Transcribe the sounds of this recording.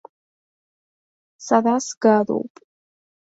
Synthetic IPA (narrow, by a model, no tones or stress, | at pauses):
saðasɡalo̰wpʼ